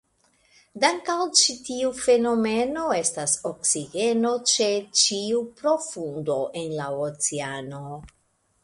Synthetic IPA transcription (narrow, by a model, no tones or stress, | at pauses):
daŋkawt͡ʃitiufe̞no̞me̞no̞e̞stasoksiɡe̞no̞t͡ʃe̞t͡ʃiupɾo̞fundo̞ʔenlaot͡seano̞